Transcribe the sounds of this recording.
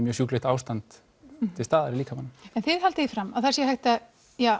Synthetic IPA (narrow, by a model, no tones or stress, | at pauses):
mjœɾsjuːklɪht̪aːwst̪ant̪ʰː | ɪlst̪aːðaɾɪliːkʰamanɛnθɪðhalt̪ɪðifɾamːaðθḁrsjɛhajht̪a | ja